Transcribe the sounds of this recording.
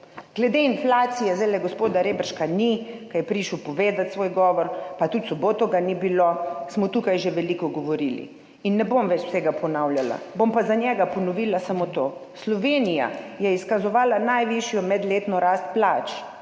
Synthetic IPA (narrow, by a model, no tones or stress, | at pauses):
ɡ̥lɛd̪einflaːt̪sijɛzalɛɡospoːd̪aɾeːbɾʃkanikajɛpɾiʃəwpɔʋeːd̪at̪sʋoːjɡɔːʋɔɾpat̪ut̪sɔboːt̪ɔɡanibilosmɔt̪ukajʒeʋɛlikɔɡɔʋoɾilḭ | inːɛbomʋɛt͡ʃw̥sɛɡapɔnawljala̰bompazanjɛɡapɔnɔʋiːlasamot̪oːslɔʋeːnija̰jɛiskazɔʋaːlanajʋiʃjɔmɛd̪leːt̪nɔɾast̪̚plaːt͡ʃ